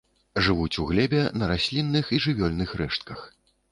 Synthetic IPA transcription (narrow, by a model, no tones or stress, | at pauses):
ʐɨvut͡sʲuɣlʲɛbʲɛnɐɾasʲlʲinːɨxiʐɨvʲɔlʲnɨxrɛʂt̪kɐx